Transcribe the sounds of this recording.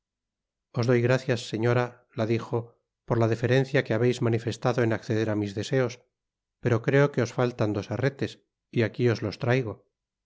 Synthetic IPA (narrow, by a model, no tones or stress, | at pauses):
o̞zðo̞jɣɾaθjasːe̞ɲo̞ɾa | laðixo̞ | poɾlaðife̞ɾe̞n̟θjakeaβe̞jzmanife̞st̪aðo̞enakθe̞ðe̞ɾamizðese̞o̞s | pe̞ɾo̞kɾe̞oke̞o̞sfalt̪and̪o̞seret̪e̞s | iakio̞zlo̞st̪ɾajɣ̞o̞